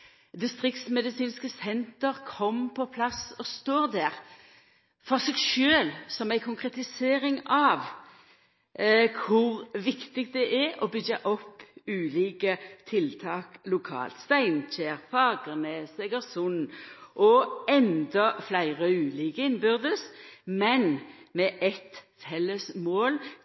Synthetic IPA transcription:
d̪ɪst̪ʁɪkt̪smɛd̪ɪsiːnskəsɛnt̪əʁkʰɔmpʰɔpʰlɑsɔst̪oːʁd̪æːʁ | fɔʁsɛɡʃøːlsɔmæɪkʰʊŋkʁɛt̪ɪseːɾɪŋɑʋ | kʰʊʁʋɪkt̪ɪk̚d̪ɛʔɛɾɔbʏɡəʔɔpːʉːliːkət̪ʰɪlt̪ʰɑːklʊkʰɑ̰ːlt̪st̪æɪnc͡çeːʁfɑːɡənesɛɡəɾsʊnʔɔɛnd̪ɔflæɪʁəʉːliːkəɪnbʏʁd̪əsmɛnmɛʔɛt̪ | fɛlːəsmoːl

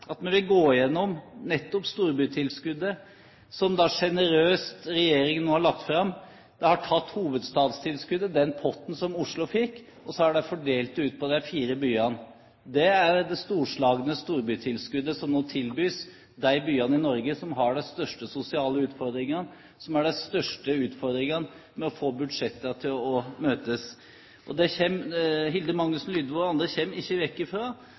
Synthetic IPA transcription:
ʔɑt̪mɛnʋɪlɡoːjɛnːɔmnɛt̪ːɔpst̪uːɾbʉːt̪ʰɪlskʉd̪ːə | sɔmd̪ɑʂɛnəɾøːst̪ɾɛjeːɾɪŋnoːhɑɭɑk̚t̪fɾɑmː | d̪̥ɛhɑʈʰɑt̪ːhuːʋəd̪st̪ɑːd̪st̪ʰɪlskʉd̪əd̪ɛnpʰɔt̪ːn̩sɔmʊʂlʊfɪkː | ɔsɔɑɖæfɔɖeːlt̪ʉːt̪̚pʰɔd̪ɛfiːɾəbyːɑn | d̪ɛæɾd̪ɛst̪uːʂɭɑːɡənəst̪uːɾbyt̪ʰɪlskʉd̪ːəsɔmnoːt̪ʰɪlbyːs | d̪æɪbyːɑnəɪnɔɾɡəsɔmɦɑɖɛst̪œʂʈəsʊsɪɑːləʉːt̪fɔɾd̪ɾɪŋɑn | sɔmæɖæst̪œʂʈəʉːt̪fɔɾd̪ɾɪŋɑn | mɛɔfoːbʉd̪ʂɛt̪ːɑt̪ʰɪlɔmøːt̪əs | ʔɔ̰d̪ɛçɛmɦɪld̪əmɑŋnʉsnlʏːd̪ʋuɑnd̪ɾəçɛmːɪçːəʋɛkːɪfɾɑː

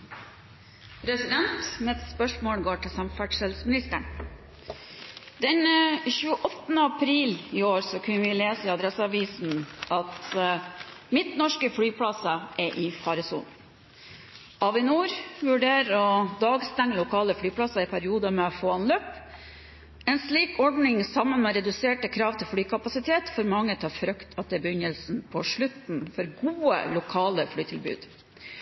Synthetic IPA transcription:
ɾɛsɪd̪ɛnt̪mɛɛt̪spœʂmoːlɡoːʈɪsɑmfæʈʂɛlsmɪnɪst̪ə̰ɳ | d̪ɛnçʉːəʔɔt̪ːnəɑpʰɾiːlɪːoːɾsɔkʰʉnəʋɪleːsəɪɑd̪ɾɛsəɑʋiːsn̩ɑt̪ | mɪt̪nɔʂkəfɽyːpʰɽɑsɑʔɛʔɪfɑɾəsṵːnn̩ | ʔɑʋɪnuːɾʋʉɖeːɾɔd̪ɑːɡst̪æŋəlʊkʰɑːləfɽyːpʰlɑsɑɪpʰæɾɪuːd̪əmɛfoːɑnløːp | ɛnsliːkɔɖnɪŋsɑmənmɛɾɛd̪ʉseːʈəkʰɾɑːʋt̪ʰɪlflyːkʰɑpɑsɪt̪ʰeːt̪fɔɾmɑŋːət̪ʰɑːfɾœkt̪ʰɑt̪̚d̪ɛæbəʏɲəlsn̩pʰɔʂɭʉt̪n̩fɔɾɡuːə̰lʊkʰɑːləfɽyːt̪ʰɪlbʉ̰ːd̪̥

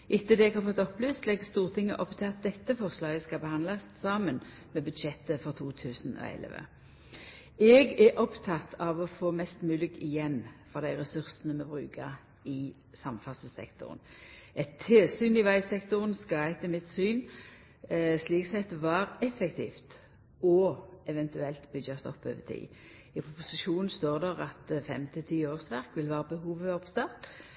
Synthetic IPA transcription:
ʔɪt̪ːəd̪ɛɛɡhɑʁfɔt̪ːɔpːlyːst̪lɛɡst̪uːʁt̪ʰɪŋːə̰ʔɔpt̪ʰɪlɑt̪̚d̪ɛt̪ːəfɔʁslɑːɡəskɑbəhɑnd̪lɑssɑːmən | mɛbʉd̪ʃɛt̪ːəfɔʁt̪ʰuːt̪ʰʉːsnɔ̰ɛ̰lʋə̰ | ɛːɡɛʔɔpt̪ʰɑt̪ʰɑʋɔfoːmɛst̪mʉːlɪɡɪjɛnːfɔʁd̪æɪʁɛsʉʁsənəmɛbʁʉ̰ːkʰəʁ | ɪ | sɑmfɑsəsɛ̰kt̪ʊ̰ʁ̰nɛt̪ʰːeːsyːnɪʋæɪsɛkt̪ʊʁənskɑɛɪt̪əmɪt̪syːn | sliːksɛt̪ʋɑːɾɛfɛkt̪ʰḭːft̪ | ɔɛʋɛnt̪ʉɛlt̪bʏdɑst̪ɔ̰pːø̰ːʋət̪ʰḭː | ɪpʰʊpʊsɪʃuːnn̩st̪oːʁd̪æʁɑt̪fɛmt̪ʰɪlt̪ʰiːoːʁsʋæʁkʋɪlʋæːʁəbəɦuːʋəɔpst̪ɑt̪

